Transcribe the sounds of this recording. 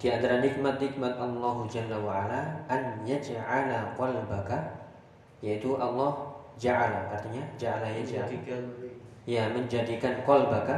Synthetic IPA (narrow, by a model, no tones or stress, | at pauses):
d̥iant̪aɾanɪk̚mat̪̚nɪk̚mat̪ʔɑlːɑɦud͡ʒalːawaʕalaʔanjad͡ʒʕalakɔlbaka | jait̪uʔɑlːɑh | d͡ʒaʕalakart̪iɲad͡ʒaʕalajad͡ʒa | jaməɲd͡ʒadikankɔlbaka